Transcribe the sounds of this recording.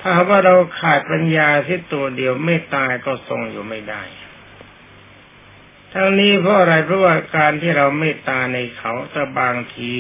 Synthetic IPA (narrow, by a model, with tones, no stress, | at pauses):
t̪ʰaː˧˩˨waː˥˩ɾa˧wkʰaː˨˩t̪̚pa˧njaː˧si˦˥˩t̪u˧ɐdi˧əwmeː˥˩t̪ːaː˧kɔː˥˩so˧ŋjuː˨˩ma˥˩jda̰˥˩j | t̪ʰa˧ŋniː˦˥pʰɾɔ˦˥ʔa˧ɾa˧jpʰɾɔ˦˥waː˧˥˩kaː˧nt̪ʰiː˥˩ɾa˧wmeː˥˩t̪aː˧na˧jkʰa˨˦˥wt̪ɛː˧˩baː˧ŋt̪ʰiː˧